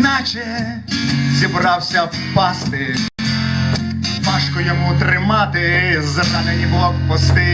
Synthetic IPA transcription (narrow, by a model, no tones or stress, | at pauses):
nat͡ʃɛ | zʲibɾɑwsʲɐw | pɑst̪ɪ | bɑʃkɔjɔmut̪ɾɪmɑt̪ɪzɐbɑnɪnʲibʊlˠɔpɔst̪ɪ